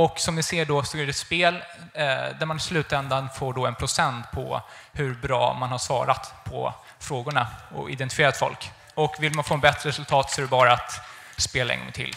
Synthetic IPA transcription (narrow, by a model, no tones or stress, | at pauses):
ɔksɔmd̪ɪseːɖɔsɔɛɾɛt̪speːl | d̪æɾmanɪslʉ̟ːt̪ɛnd̪anfoːɖɔɛnpʰɾʊsɛnt̪pʰɔ̰ | hɵɾbɾɑ̰ːmanhaʂvɑ̰ːɾat̪pʰɔ̰ | fɾoːɡʊɳaɔ̰ɪ̰d̪ɛnt̪ɪ̥fɪeːɾat̪fɔ̰lk | ɔkːvɪlmanfoːɛnbɛt̪ɾəɾɛsɵlt̪ʰɑːt̪sɔæɖɛbɑːɾat̪ | speːlaɛ̰ŋɡɔ̰ŋːt̪ʰɪ̰l